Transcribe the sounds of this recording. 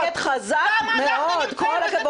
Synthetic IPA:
et̪χazakmeod̪kolakabo

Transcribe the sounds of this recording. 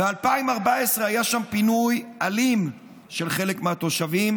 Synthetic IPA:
bealpaimaʁbaesʁeajaʃampinujʔalim | ʃe̞lχe̞lekmeat̪o̞ʃavim

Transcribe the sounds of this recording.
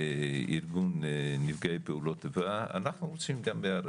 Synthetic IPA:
iɾɡunːivɡajpeulot̪evaa̰naχnuɾot͡simɡambeaɾ

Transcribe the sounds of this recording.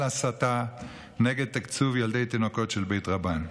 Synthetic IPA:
asat̪a | neɡed̪̚t̪akt͡suvjald̪ejt̪inoko̞tʃelbe̞jt̪ʁaban

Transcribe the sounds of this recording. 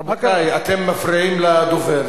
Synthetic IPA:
ajat̪emːafɾiimlad̪oveɾ

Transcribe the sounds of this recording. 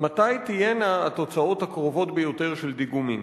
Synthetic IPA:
matajt̪ije̞naːto̞t͡sao̞thakʁo̞vo̞t̪bejo̞te̞ʁʃeld̪iɡumim

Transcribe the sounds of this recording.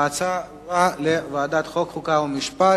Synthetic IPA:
t͡sa | valevaːd̪at̪χokχukaumiʃpa

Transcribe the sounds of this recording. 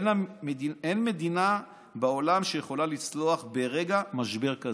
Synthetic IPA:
naienme̞d̪ina | beolamʃejeχo̞lalit͡slo̞aχbeʁe̞ɡamaʃbe̞ʁka

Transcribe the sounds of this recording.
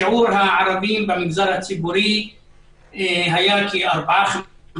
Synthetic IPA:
uːɾɦãːʕɐɾɐbiːmbɐmɡzɐɾɐt͡sʰibuɾi | ɦɐjaːkiɐɾbaːx

